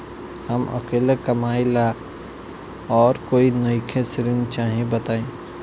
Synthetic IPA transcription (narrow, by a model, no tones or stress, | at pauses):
hɐmʔɐ̰keːlekɐmaːɪla | ɔːɾkoːinɐikʰesɾɪnt͡ʃaːɦĩbɐt̪aːẽː